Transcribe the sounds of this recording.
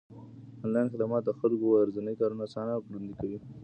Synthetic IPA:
anlɑjnxed̪amɑt̪̚d̪əxalkoaɾzanəjkɑɾunasɑnakɽand̪ikawi

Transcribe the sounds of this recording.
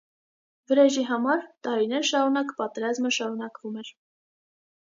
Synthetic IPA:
vəɾɛʒiɦɑmɑɾt̪ɑɾinɛɾʃɑɾunɑkpɑt̪ɛɾɑzməʃɑɾunɑkvumɛɾ

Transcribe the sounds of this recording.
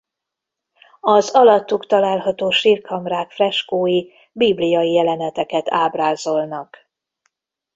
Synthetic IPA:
ɒzɒlɒt̪ːukt̪ɒlaːlɦɒt̪oːʃirkʰɒmraːkfrɛʃkoːji | biblijɒjijɛlɛnɛt̪ɛkɛt̪ʰaːbraːzo̞lnɒk

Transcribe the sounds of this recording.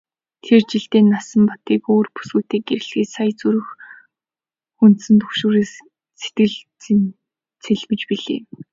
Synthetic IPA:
t̪ʰert͡ɕiɬt̪eːnːasə̆mpɔt̪iːkoːrpu̥sɣuːt̪eːk̚ːeɾɘ̆ɮxeːsajt͡suɾɘ̆x | xun̥t̪sɘ̆nt̪ʰɵxʃoːɾeːs | se̥t̪ɡɘ̆ɮ | t͡sʰeɮmɘ̆t͡ɕpiɮḛː

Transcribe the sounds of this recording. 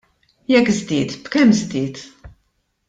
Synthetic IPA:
jɛkːzd̪ɪːt̪b̥kɛmːzd̪ɪːt̪

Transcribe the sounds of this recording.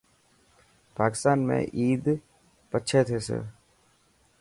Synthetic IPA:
paːkɪ̥st̪aːnmḛ̃ʔiːd̪ | pətːʃʰet̪ʰeːsḛ

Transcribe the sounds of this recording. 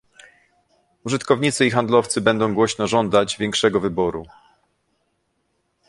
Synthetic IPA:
uʐɘt̪kɔvɲit̪sɘixand̪lɔft̪sɘbɛnd̪ɔ̃w̃ɡwɔɕnɔʐɔnd̪ad͡ʑvʲjɛŋkʂɛɡɔvɘbɔɾṵ

